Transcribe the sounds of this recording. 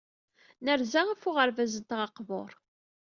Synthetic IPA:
nəɾzaʁæfʊʁəɾvæzət̪ʁɑqvo̰ɾˤ

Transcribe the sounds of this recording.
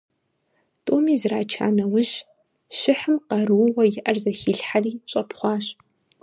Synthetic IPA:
tʼoːmiːzraːt͡ʃʰa̰ːnɐwʊʒ | ʃɪħɨmqɐɾɨwwɐjɪʔɐrzɐxiːɬħariːɕʼɐpχʷɑːɕ

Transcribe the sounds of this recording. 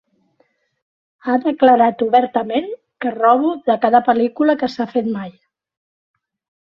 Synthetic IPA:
aðəkləɾat̪uβɛɾt̪əmen | kərɔβ̞uðəkaðəpəlikuləkəsafet̪maj

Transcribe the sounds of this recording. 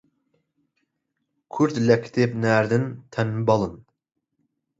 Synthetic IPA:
kʲʰyɾt̪lɛkʲʰːt̪ʰɪpnæɾd̪ɪnt̪ʰɛnːɪbɑlˠɨn

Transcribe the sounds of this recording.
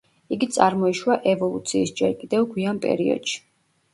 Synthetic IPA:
iɡit̪sʼaɾmɔiʃwaʔɛvɔlˠut̪sʰiːsd͡ʒɛɾkʼid̪ɛvɡwianpʼɛ̰ɾiɔ̰d̪̥ʃi̥

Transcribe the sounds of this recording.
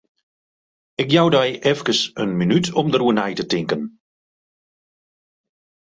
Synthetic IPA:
ɪkjawdɛjʔɛfkəsənminytʰɔmdəruənɛjtətɪŋkən

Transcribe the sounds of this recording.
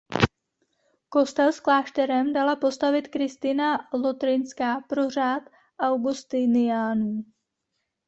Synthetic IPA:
ko̞st̪ɛlsklaːʃt̪ɛɾɛmdalapo̞st̪avɪt̪kɾɪst̪ɪnalo̞t̪ɾɪnskapɾo̞r̝aːt̪ | ʔawɡust̪ɪnɪjaːnuː

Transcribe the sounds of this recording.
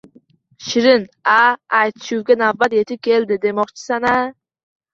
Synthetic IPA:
ʃɪɾɪnaajt̪ʰɪ̥ʃuwɡʲanavːat̪je̞t̪ʰɪp̚kʲʰe̞ld̪ɪd̪e̞mɒqt͡ʃʰɪ̥sana

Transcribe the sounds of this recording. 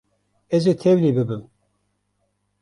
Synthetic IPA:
ɛzet̪ʰɛvlibɨbɨm

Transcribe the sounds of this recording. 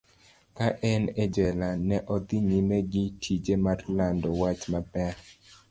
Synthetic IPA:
kaʔɛnɛd͡ʒɛlanɛʔɔd̪iɲimɛɡɪtʰid͡ʒemarlandɔwat͡ʃmapɛɾ

